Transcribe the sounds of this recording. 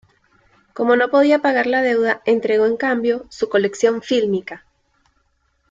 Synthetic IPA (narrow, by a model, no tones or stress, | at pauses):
ko̞mo̞no̞po̞ð̞iapaɣaɾlaðe̞wðae̞nt̪ɾe̞ɣo̞e̞ŋkambjo̞suko̞le̞ksjõ̞ɱfilmika